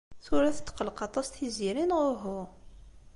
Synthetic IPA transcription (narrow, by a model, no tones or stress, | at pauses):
θʊɾæθə̥t̪ːqəlqɑt̪ˤɑst̪θiziɾinʁʊɾɦʊ